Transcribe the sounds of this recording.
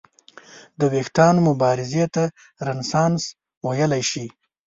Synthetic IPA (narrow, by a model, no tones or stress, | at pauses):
d̪əwext̪ɑnmʊbɑɾɪzet̪a | ɾansɑns | wajəlajʃi